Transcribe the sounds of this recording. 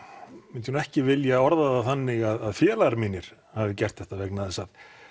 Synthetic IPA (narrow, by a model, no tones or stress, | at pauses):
mɪnt̪ɪhunɛhcɪvɪljaɔɾðaðaθanːɪɣaðaðfjɛːlaɣaɾmiːnɪɾ̥ | havðɪcɛr̥t̪θɛht̪avɛknaðɛsað